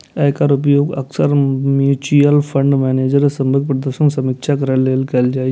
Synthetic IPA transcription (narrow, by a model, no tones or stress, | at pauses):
ekaɾʊp̬joːɡə̰ksəɾmjuːt͡ʃijəlpʰə̃ɳɖmɛːneːd͡ʒəɾsəmbəɡ̚pɾəd̪əɾʃənsɐmikʃakəɾəleːlkeld͡ʒaːe